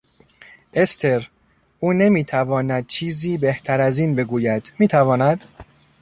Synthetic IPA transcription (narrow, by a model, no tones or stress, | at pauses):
ʔest̪ʰe̞ɾ | ʔuːne̞miːt̪ʰævɒːnæd̪̥̚t͡ʃʰiːziːbe̞ht̪ʰæɾæziːnbe̞ɡuːjæd̪miːt̪ʰævɒːnæd̪